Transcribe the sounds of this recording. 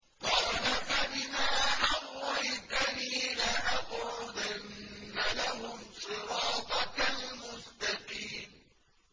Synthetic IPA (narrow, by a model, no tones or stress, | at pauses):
qɑːlafabɪmaːħawːalt̪aniːlaʔaqʊʊd̪anːalaɦʊmsˤɨɾɑːt̪ˤɑalmʊst̪ɑqiːm